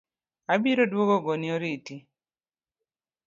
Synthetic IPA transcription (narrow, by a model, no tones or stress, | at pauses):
abiɾodwoɡɔɡonioɾiti